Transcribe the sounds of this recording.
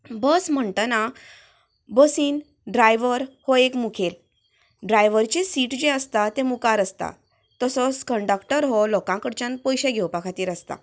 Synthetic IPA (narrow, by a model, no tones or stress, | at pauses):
bəsm̤əɳʈəna | bəsiːn | ɖɾajʋəɾhɔekmukʰel | ɖɾajʋəɾt͡ɕisiʈd͡ʑẽəst̪at̪ẽmukaɾəst̪a̰ | t̪əsɔskəɳɖəkʈəɾɦɔlɔkãkəɽt͡ɕãnpɔjɕeɡʱewpakʰat̪iːɾəst̪a̰